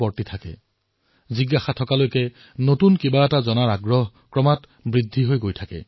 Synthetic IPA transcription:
pɔɹtitʰakɛ̰ | ziɡaxatʰɔkalojkɛ | notunkibaɛtazɔnaɹaɡɹɔɦ | kɹɔmat | bɹidʱːiɦojɡojtʰakɛ̰

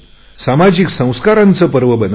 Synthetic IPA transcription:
samad͡ʑiksə̃w̃skaɾant͡səpəɾʋəbən

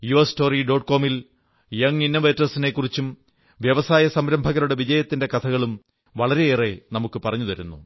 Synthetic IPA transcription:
juɐsto̞ːriɖo̞ːʈko̞ːmil | jeŋinːɐʋeːtːrɐsine̞kːurit͡ɕːum | ʋjɐʋɐsaːjɐsɐmɾɐmbʱɐɣɐɾuɽe̞ʋid͡ʑɐjɐt̪ːinde̞kɐt̪ʰɐɣɐɭum | ʋɐɭɐɾe̞eːre̞nɐmukːɨpɐrɐɲːuðɐɾunːṵ

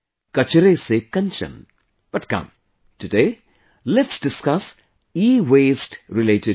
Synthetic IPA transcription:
kɐt͡ʃeɾesekɐ̃nt͡ʃɐ̰̃n | b̥ɐʈkɐ̰̃m | tɨde | lɛtsdɪskɐs | iːweːsʈɾileʈe

